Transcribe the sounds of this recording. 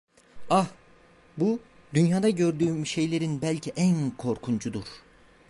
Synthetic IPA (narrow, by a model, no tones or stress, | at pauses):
ah | bu | d̪ynjaːd̪aɟø̞ɾd̪yːmyʃe̞jlʲe̞ɾinbælʲcʰiʔænkʰo̞ɾkʰund͡ʒud̪uɾ̥